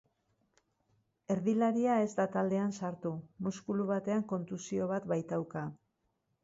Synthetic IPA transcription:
e̞ɾðilaɾiae̞zd̪at̪ald̪e̞ansaɾt̪umuskuluβat̪e̞aŋko̞nt̪usio̞β̞at̪βajt̪awka

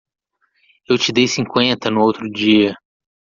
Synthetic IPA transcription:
ewt͡ʃɪd̪ejsĩŋkwẽnt̪ɐnʊowt̪ɾʊd͡ʒiɐ

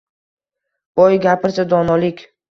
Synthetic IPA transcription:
b̥ɒjɡʲapʰɪɾsad̪ɒnɒlɪkʲ

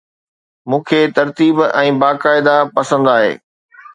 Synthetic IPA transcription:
mũːkʰet̪ɐɾt̪iːbɛ̃ːbaːkaːɪd̪apɐsə̃nd̪aːɦḛː

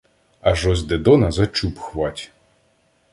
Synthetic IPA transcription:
ɐʒɔzʲd̪ed̪ɔnɐzɐt͡ʃupxʋɑtʲ

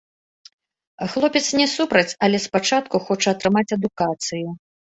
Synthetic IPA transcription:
xlˠɔpʲɛt̪snʲɛsupɾɐt͡sʲɐlʲɛspat͡ʂat̪kuxɔt͡ʂɐːt̪ɾɨmat͡sʲɐd̪ukat̪sɨju

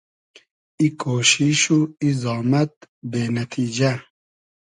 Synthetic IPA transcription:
ikʰoːʃiʃuizɑːmɐt̪̚beːnɐt̪ʰiːd͡ʒa

